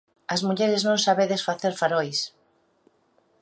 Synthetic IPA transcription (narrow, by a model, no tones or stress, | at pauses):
ɐzmuʎeɾɪznõŋsaβeðesfaθeɾfaɾojs